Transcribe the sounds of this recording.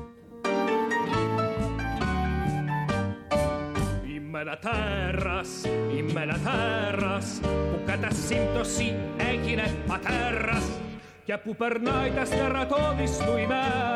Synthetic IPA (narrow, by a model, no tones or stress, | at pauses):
imːɛnat̪ɛrasimːɛnat̪ɛraspukːat̪asːint̪osiɛkineat̪ɛras | kɛpupɛɾnajt̪ast̪ɛrat̪ɔðist̪uimɛ